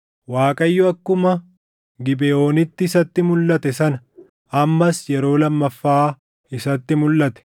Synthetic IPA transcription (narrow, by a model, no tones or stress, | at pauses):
waːkʼɐjːʊɐkːʊmɐ | ɡɪbɛo̞ːnɪt̪ːɪːsɐt̪ːɪmʊlːɐt̪ɛsɐnɐ | ɐmːɐsjɛɾo̞ːlɐmːɐfːaː | ɪsɐt̪ːɪmʊlːɐt̪ɛ̥